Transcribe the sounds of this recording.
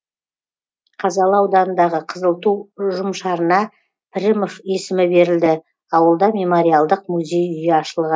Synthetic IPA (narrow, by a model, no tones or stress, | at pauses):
qʰɑzɑlˠəɑwd̪ɑnənd̪ɑʁəqʰəzəlˠt̪uʒʊmʃɑɾənɑ | pʰɾʲɪmofe̞sɪmɪbe̞ɾɪld̪ɪ | ɑwəlˠd̪ɑmʲe̞moɾijalˠd̪əqmuzʲe̞jʏjeɑʃəlˠʁə